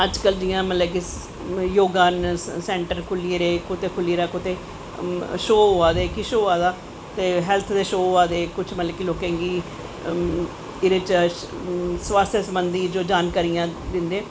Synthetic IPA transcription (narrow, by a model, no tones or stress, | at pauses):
əd͡ʒkəld͡ʒɪjãːmət̪ləki | joːɡaːnsɛ̃ːɳʈəɾkʰʊlieɾeːkʊt̪eːkʰʊliɾaːkʊt̪eː | ʃoːoaːd̪eːkɪʃoːaːd̪aː | t̪eːɦɛːlt̪ʰd̪eːʃoːaːd̪eːkʊt͡ʃʰmət̪ləkiloːkẽːɡiː | ɪɾɪt͡ʃət͡ʃ | sʋaːst̪ʰjesəmbənd̪iːd͡ʒoːd͡ʒaːnkaːɾijãːd̪ɪnd̪eː